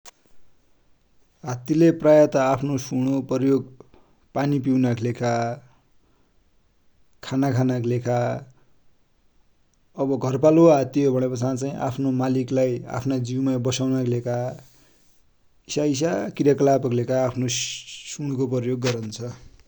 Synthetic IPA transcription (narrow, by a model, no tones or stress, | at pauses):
ɦat̪ileprajʌt̪ʌapʰnosuɽ̃opʌrjoɡ | panip̬iwnakʰlekʰa | kʰanakʰanaklekʰa | ʌbʌɡʱʌrpaloɦat̪iɦobʱʌɽ̃epʌt͡sãt͡saĩʔa̰pʰnomaliklaja̰pʰnad͡ziwmajbʌsawnakʰlekʰa | isais̬akiɾjakʌlapʌklekʰaːpʰnosuɽ̃kopjoɡːʌɾʌnt͡sʰʌ